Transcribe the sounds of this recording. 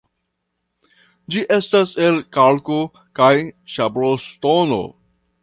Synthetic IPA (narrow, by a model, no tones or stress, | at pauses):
d͡ʒiʔe̞stase̞lkalko | kajʃabɾostono̰